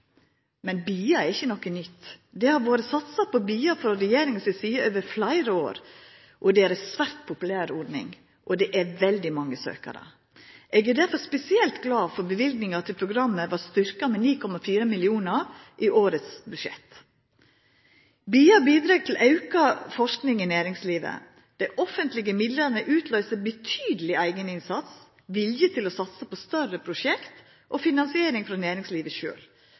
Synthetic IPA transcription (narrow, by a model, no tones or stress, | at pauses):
mɛnbiːɑæɾɪçːənɔkːənʏt̪ːd̪ɛhɑɾʋoːɾəsɑt̪sɑpʰɔbiːɑfɔɾɔɾɛjeːɾɪŋsɛsiːəøːʋəɾflɑɪɾəo̰ːɾ | ʔɔd̪ɛæɾæsʋæɾt̪pʰʊpʉlæːɾɔɖ̪nɪ̰ŋ | ʔɔd̪ɛʔæɾʋɛld̪ɪmɑŋːəsø̰ːkə̰ɾə̰ | ʔeːɡæd̪æɾfɔɾspɛsɪɛlt̪ɡlɑːfɔɾbəʋɪlɡnɪŋɑt̪ʰɪlpʰɾʊɡɾɑmːəʋɑɾst̪ʏɾkɑmɛniːkʰɔmɑfiːɾəmɪlɪuːnə | ʔiʔoːɾət̪sbʉʂɛ̰t̪ | biːɑbiːd̪ɾɑːɡ̚t̪ʰɪl̩ʔɑʉkɑfɔʂknɪŋɪnæːɾɪŋsliːʋə̰ | d̪̥æɪʔɔfənt̪lɪɡəmɪd̪ləɾnəʔʉːt̪ʰlœʏsəbət̪ʰyːd̪əlɪæɪɡənɪnsɑt̪s | ʋɪljət̪ʰɪlɔsɑt̪səpɔst̪œrəpʰɾʊʂɛkt̪ | ʔofɪnɑnsɪeːɾɪŋfɾɑnæːɾɪŋsliːʋəʃø̰ːl